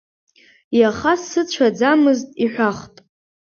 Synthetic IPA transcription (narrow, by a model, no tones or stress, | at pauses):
jaχasːɨt͡ɕʷʰad͡zamɨztʼiħʷᶣaχtʼ